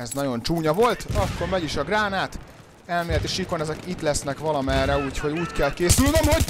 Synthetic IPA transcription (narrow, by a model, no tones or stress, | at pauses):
ɛznɒɟo̞nt͡ʃuːɲɒvo̞lt̪ɒkːormɛɟiʃɒɡraːnaːt̪ | ɛlmeːlɛt̪iʃiko̞nɛzɛkit̪lɛsnɛkʋɒlɒmɛrɛuːcho̞ɟuːckɛlkeːsylnemho̞ɟ